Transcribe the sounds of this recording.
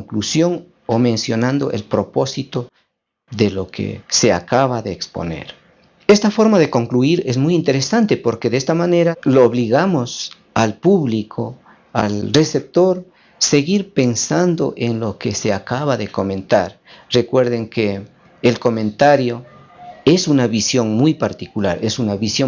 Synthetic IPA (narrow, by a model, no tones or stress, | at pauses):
ŋklusjo̞ŋ | omẽ̞nsjo̞nand̪o̞̰ʔḛlpɾo̞po̞sit̪o | ðelo̞kʰḛsea̰kaβaðeːkspo̞̰ne̞̰ɾ | est̪afo̞ɾmaðe̞ko̞ŋkluiɾezmujint̪e̞ɾesant̪epo̞ɾke̞ðeest̪amane̞ɾaloːβliɣamos | alpuβlikʰo | a̰lre̞se̞p̚t̪o̞ɾ | seɣiɾpe̞nsand̪o̞ʔe̞nlo̞kese̞akaβaðeko̞mẽnt̪a̰ɾ | re̞kwe̞ɾðe̞ŋkeː | lko̞mẽ̞nt̪aɾjo̞ | e̞sunaβisjo̞ŋmujpaɾt̪ikulaɾesunaβisjo